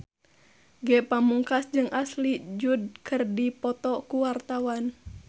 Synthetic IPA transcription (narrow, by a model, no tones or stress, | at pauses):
ɡɛpamuŋkasd͡ʒɨŋʔaslid͡ʒud̚kʰɨrdipɔt̪ɔkuwart̪awan